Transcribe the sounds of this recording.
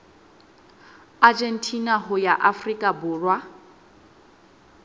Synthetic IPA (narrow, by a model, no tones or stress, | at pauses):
ad͡ʒɛn̩tʰʼinaɦʊjaʔafrikʼabʊːrwa